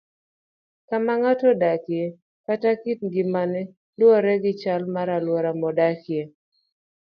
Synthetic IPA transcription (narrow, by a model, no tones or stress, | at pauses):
kamaŋatɔdakje | katakitɡɪmanɛ | lwɔɾɛɡɪt͡ʃalmaɾalwɔɾamɔdakje